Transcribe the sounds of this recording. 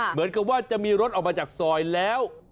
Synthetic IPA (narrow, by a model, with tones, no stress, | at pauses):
mɯ˩˦nka˨˩p̚waː˥˩t͡ɕa˨˩ʔmiː˧ɾo˦˥t̪̚ʔɔː˨˩k̚maː˧t͡ɕaː˨˩k̚sɔː˨˩jlɛː˦˥w